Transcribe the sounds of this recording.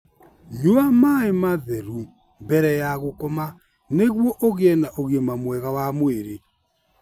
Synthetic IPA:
ɲoamaemaðɛɾu | mbɛɾɛjaɣokɔma | neɣwɔʔoɣeɛnaʔoɣɛmamwɛɣawamweɾe

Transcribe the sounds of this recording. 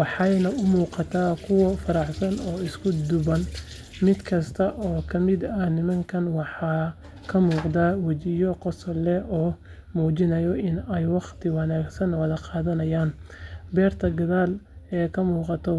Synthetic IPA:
wɑħɑjnɐʊmuːqɑt̪ʰaːkʰʊwɐfɐɾɑʕsɐnɔːɪskʰʊd̪ʊβɐn | mɪd̪kʰɐst̪ʰɐʔɔːkʰɐmɪd̪ɐnɪmɐŋkʰɐnwɑħɑː | kʰɐmuːqd̪aːwɐt͡ʃɪjɔqɔsɐlɛɔː | muːt͡ʃɪnɐjɔʔɪnɛjwɑqt̪ʰɪwɑnaːɡsɐnwɐðɐqɑːðɐnɐjaːnbɛːrt̪ʰɐɡɐðaːlɛːkʰɐmuːqɑt̪ʰɔ

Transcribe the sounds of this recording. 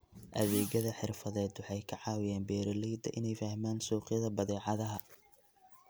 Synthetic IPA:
ʔɐðɛːɣɐðɐħɪrfɐðɛːd̪wɑħɑjkʰɐʕɑːwɪjaːnbɛːɾɐlɛjd̪ɐ̰ʔɪnɛjfɐhmaːnsuːqɪjɐðɐbɐðɛːʕɑðɐɦɐ

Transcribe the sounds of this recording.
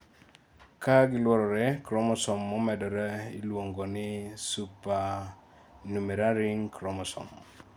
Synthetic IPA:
kaɡɪlwɔɾɔɾɛkɾɔmɔsɔmːɔmɛdɔɾailwoŋɡonɪsupa | numeɾaɾiŋkɾɔmɔsɔ̰m

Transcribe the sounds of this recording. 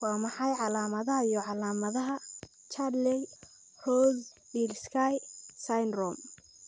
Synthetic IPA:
wɑːmɑħɑjʕɑlaːmɐðɐɦɐijɔʕɑlaːmɐðɐɦɐ | t͡ʃʰadlɛ | rɔːz | bilskʰajsajnrɔm

